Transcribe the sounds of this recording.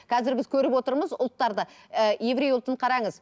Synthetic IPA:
qʰɑzɪɾbɪzkʲʰɵɾɪpwo̞t̪əɾməzʊ̰lˠt̪ːɑɾd̪ə | əje̞vɾe̞jʊlˠt̪əɴqʰɑɾɑɴəz

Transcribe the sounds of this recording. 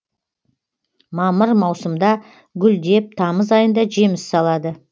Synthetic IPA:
mɑməɾmɑwsəmd̪ɑ | ɡʲʏld̪e̞p̚t̪ʰɑməzɑjənd̪ɑʒe̞mɪsːɑlˠɑd̪ə

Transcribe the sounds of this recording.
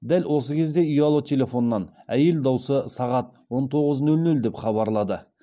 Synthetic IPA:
d̪ælwʔo̞səkʲʰe̞zd̪e̞ijɑlˠot̪ʲʰe̞lʲe̞fo̞nːɑnæje̞ld̪ɑwsəsɑʁɑt̪wo̞nt̪ʰo̞ʁəznɵlnɵld̪e̞pχɑβɑɾlˠɑd̪ə

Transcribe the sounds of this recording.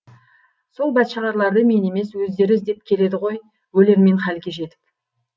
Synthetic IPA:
so̞lˠbɑt̪ʃəʁɑɾlˠɑɾd̪əme̞ne̞me̞swɵzd̪e̞ɾɪzd̪e̞p̚kʲʰe̞le̞d̪ɪʁo̞j | wɵle̞ɾme̞ɴχælɡʲe̞ʒe̞t̪ɪ̥p

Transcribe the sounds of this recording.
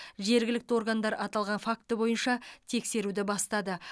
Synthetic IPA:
ʒe̞ɾɡʲɪlɪk̚t̪ɪo̞ɾɡand̪ɑɾʔɑt̪ɑlˠʁɑnfakt̪əbo̞jənʃɑt̪ʰe̞kse̞ɾud̪ɪbɑst̪ɑd̪ə

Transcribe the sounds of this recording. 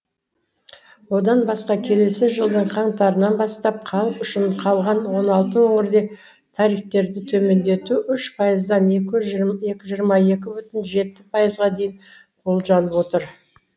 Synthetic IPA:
wo̞d̪ɑnbɑsqɑkʲʰe̞le̞sɪʒəlˠd̪əɴqʰɑɴt̪ɑɾənɑnbɑst̪ɑp̚qʰɑlˠəpʏʃɪɴqʰɑlˠʁɑnwo̞nɑlˠt̪əwɵŋɪɾd̪e̞ | t̪ʰɑɾift̪e̞ɾd̪ɪt̪ʰɵme̞nd̪e̞t̪uʔʏʃpʰɑjəzd̪ɑnekɪe̞kʲɪʒijəɾmɑe̞kʲɪbʏt̪ɪnʒe̞t̪ːɪpʰɑjəzʁɑd̪e̞jɪn | qʰolˠʒɑnəpwo̞t̪əɾ

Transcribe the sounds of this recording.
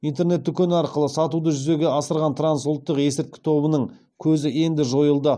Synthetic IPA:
ijnt̪e̞ɾne̞t̪ːʏkʲe̞nɑɾqəlˠəsɑt̪ud̪əʒʏze̞ɡʲe̞ɑsəɾʁɑnt̪ʰɾansulˠt̪ːəqe̞sɪɾt̪̚kʲɪ̥t̪ʰo̞βənəɴ | kʲʰɵzɪe̞nd̪ɪʒo̞jəlˠd̪ə

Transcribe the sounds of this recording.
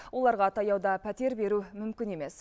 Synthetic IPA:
wo̞lˠɑɾʁɑt̪ʰɑjɑwd̪ɑpʰæt̪e̞ɾbe̞ɾumʏmkʲɪne̞me̞s

